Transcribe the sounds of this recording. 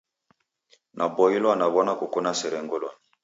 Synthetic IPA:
nʔabɔjilwanaβɔnakokonasɛɾɛŋɡolɔ̰ni

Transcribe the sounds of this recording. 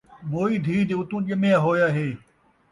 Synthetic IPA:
moːiːd̪ʱiːd̪eːʊt̪ũːɗəmẽːaɦoːjaːɦeː

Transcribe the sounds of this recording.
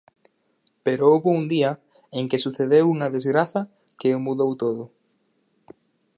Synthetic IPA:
peɾoowβound̪iɐ | eŋkesuθeðewuŋɐðezɣɾaθɐ | keomuðowt̪oðʊ

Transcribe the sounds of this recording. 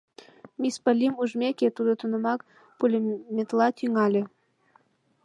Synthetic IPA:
mʲispəlʲimuʒmʲekʲet̪ud̪ot̪unəmɑk | pulʲemʲet̪lɑt̪yŋɑlʲe

